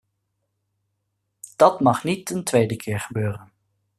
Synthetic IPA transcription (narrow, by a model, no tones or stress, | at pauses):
d̥ɑtmɑχnitəntʋejdəkʰɪːɹχəbøːrən